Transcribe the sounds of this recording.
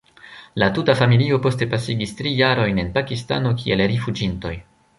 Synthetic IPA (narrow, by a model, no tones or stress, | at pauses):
latutafamilio̞po̞ste̞pasiɡistɾijaɾo̞jne̞npakista̰no̞k̬ʲʰie̞lɾifud͡ʒinto̞̰j